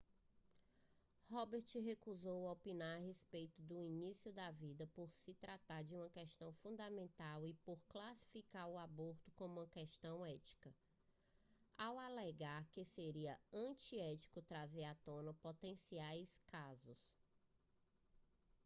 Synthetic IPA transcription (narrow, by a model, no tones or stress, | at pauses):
hɔbeɾt͡ʃɦekuzowɐopinaɾɦespejt̪ʊd̪ʊinisiʊd̪avid̪ɐpoɾsɪt̪ɾat̪aɾd͡ʒɪũmɐkɛʃt̪ɐ̃w̃fũd̪amẽnt̪awɪpoɾklasi̥fikaɾʊaboɾt̪ʊkõmũɐkɛʃt̪ɐ̃w̃ɛt͡ʃi̥kɐ | awalɛɡaɾkeseɾiɐɐ̃t͡ʃiɛt͡ʃi̥kʊt̪ɾazeɾat̪õnɐpot̪ẽsiajskazʊs